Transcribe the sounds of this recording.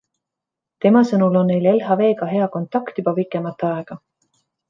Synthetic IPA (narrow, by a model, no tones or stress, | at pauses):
t̪e̞mɑsɤnulo̞nːe̞jle̞lɦɑve̞ːɡɑɦe̞ɑko̞nt̪ːˑɑkt̪jub̥ɑpikːˑemɑt̪ːˑeɑe̞ɡ̥ɑ